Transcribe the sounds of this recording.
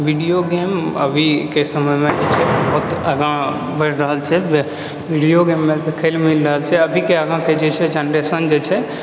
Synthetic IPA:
ʋiɖijoɡeːmə̰bʱikesəməjmẽʔt͡ʃʰebɔɦt̪əɡã | bʱəɾɾəɦəlt͡ʃʰɛ | ʋiɖijoɡemːẽd̪ekʰelmilɾəɦəlt͡ʃʰɛəbʱikeəɡãked͡ʒet͡ʃʰɛd͡ʒanɾesənd͡ʒet͡ʃʰɛ

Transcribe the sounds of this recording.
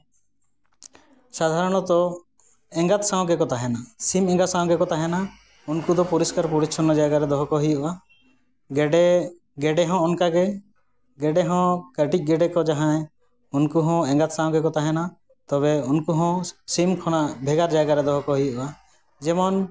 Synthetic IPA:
sad̪ʱaɾɔɽ̃ɔt̪ɔ | ɛ̃ŋɡat̪saw̃ɡɛkɔt̪aɦɛnasimɛ̃ŋɡat̪sãw̃ɡɛkɔt̪aɦɛna | unkud̪ɔpuɾiskaɾpuɾit͡ʃʰɔnɔd͡ʒajɡaɾɛd̪ɔɦɔkɔɦijɔa | ɡɖɛ | ɡɛɖɛɦɔ̃ɔnkaɡɛ | ɡɛɖɛɦɔ̃kəʈic̚ˀɡɛɖɛkɔd͡ʒaɦãɛ̃ | unkuɦɔ̃ɛ̃ŋɡat̪sãw̃ɡɛkɔt̪aɦɛna | t̪ɔβɛunkuɦɔ̃simkʰɔñaʔbʱɛɡaɾd͡ʒajɡaɾɛd̪ɔɦɔkɔɦujuʔa | d͡ʒɛmɔn

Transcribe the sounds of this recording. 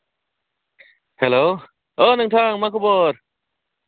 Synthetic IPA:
heloː | ʔɤːnaŋt̪ʰaːŋmaːkʰoboːt̚

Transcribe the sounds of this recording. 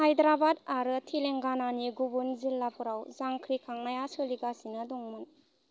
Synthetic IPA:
hajdɾabadaɾɯtʰileŋɡananiɡubunzilːapʰuɾawzaŋkʰɾikʰaŋnajasɯliɡasinadɔŋmun

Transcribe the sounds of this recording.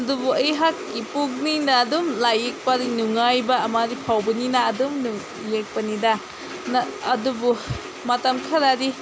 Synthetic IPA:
ɐdubuɐjɦakːipuk̚ninaːdumlajek̚padinuŋajbɐːmadipʰawbɐninaːdumnu | jek̚pɐnidɐ | nɐːdubu | mɐtɐmkʰɐɾadi

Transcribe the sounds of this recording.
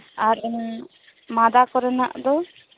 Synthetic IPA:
aɾ | mad̪akɔɾəna̰ʔd̪ɔ

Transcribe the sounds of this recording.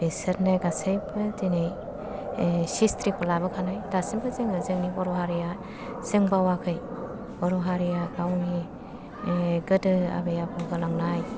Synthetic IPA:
besɯɾnɯɡasajbɯdenej | sistɾipɔlabɯkʰanajdasimkʰɯzɯŋɯzɯŋnibɔɾɔɦaɾija | z̥ɯŋbawakʰɯj | bɔɾɔɦaɾijaɾawni | ɡɯdɯa̰bejapʰɔɡɯlaŋnaj

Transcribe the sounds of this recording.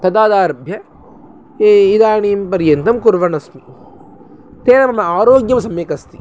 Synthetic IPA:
t̪ɐd̪aːd̪aːɾɐbʱjɐ | id̪aːɳiːmpɐɾjɐnt̪ɐmkuɾʋɐnɐsmi | t̪eːnɐmɐmɐaːɾoːɡjɐmɐsɐmjeːkɐst̪i

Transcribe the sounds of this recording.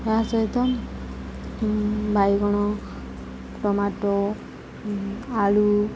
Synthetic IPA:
asɔjt̪ɔ | bʱajɡɔɽ̃ɔ | ʈɔmaʈɔ | aɭu

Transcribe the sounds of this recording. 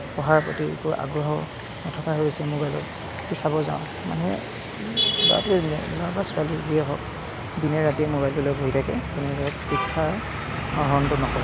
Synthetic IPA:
pɔɦaɹpɹɔ̰tiḛkuʔa̰ɡɹɔɦɔ | nɔtʰɔkaɦoosɛmobajlɔ̰ | tisabɔza̰ʊ̃ | ma̰nɛ̰ | lɔ̰a̰tɛnɛlabasʊaliziɛɦɔk̚ | dinɛɹatiɛmobajlɔlojbʱoɦitʰakɛ̰kunɛlɔɔtpikʰːa | nɔɦɔntʊnɔkɔbɔ

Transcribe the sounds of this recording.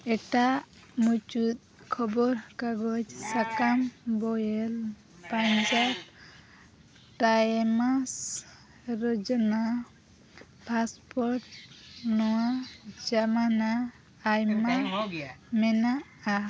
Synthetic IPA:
ɛʈa | mut͡ʃut̪̚kʰɔbɔɾkaɡɔd͡ʒsakambɔjel | paɲd͡ʒap̚ | ʈajmas | ɾɔd͡ʒɔna | pʰaspɔɾʈnɔwad͡ʒamanaː | jma | mɛnaa

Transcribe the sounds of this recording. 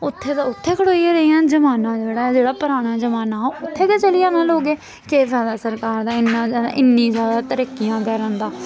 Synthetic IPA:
ʊt̪ʰːeːt̪aʊt̪ʰːeːkʰəɽoːieːɾəijãːd͡ʒəmaːnãːd͡ʒeːɽaːd͡ʒeːɽaːpəɾaːɽ̃aːd͡ʒəmaːnãːʊt̪ʰːeːd̪eːt͡ʃəlijãːnãːloːɡeː | keːsɛːd̪aːsəɾkaːɾd̪aːɪnːãːa̰ːʔɪnːĩːzjaːd̪aːt̪əɾiːkijãːkɛːɾə̃ːnd̪aː

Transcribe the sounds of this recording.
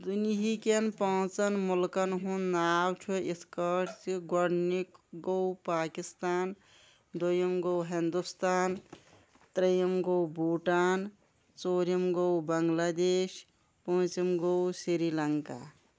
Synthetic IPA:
d̪uniɦikenpãːt͡sɐnmulkɐnɦunːaːwt͡ʃʰuiskəʈt͡ʃiɡɔɽnikɡowpaːkist̪aːn | d̪ojɐmɡowɦind̪ust̪aːn | t̪ɾijɐmɡowbuːʈaːn | t͡soːɾimɡowbɐŋɡlaːd̪eːʃ | pɐ̃ːt͡ʃimɡowsiɾilɐŋka̰

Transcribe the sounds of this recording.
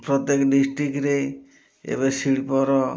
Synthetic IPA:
pɾɔt̪jekɖisʈɾikɾe | ḛbɔsiɽpɔɾɔ

